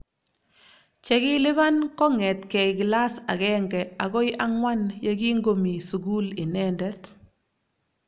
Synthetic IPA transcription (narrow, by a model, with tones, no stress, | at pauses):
t͡ʃɛ˦kɪ˦lɪ˦βa˦nkɔ˦ŋɛ˨tkɛ˨jkila˦sa̰˨ɣɛ˦ŋɡɛa˨ɣɔ˦jʔa˦ŋwa˦njaɡi˦ŋɡo˨mi˨su˨ɡu˦lɪ˨nɛndɛt